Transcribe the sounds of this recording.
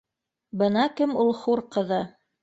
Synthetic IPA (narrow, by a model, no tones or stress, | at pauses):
bɤ̆nɑkɘmulˠχuɾqɤ̆ðɤ